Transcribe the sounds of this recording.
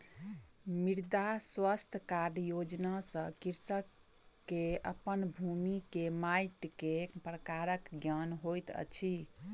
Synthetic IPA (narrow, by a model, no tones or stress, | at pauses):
miɾd̪aswəst̪ʰkaɾjod͡ʒnasə̃kiɾsəkː | eə̰pənbʱumikemajʈkepɾəkaɾəkɡjanɦojt̪ə̰t͡ʃʰi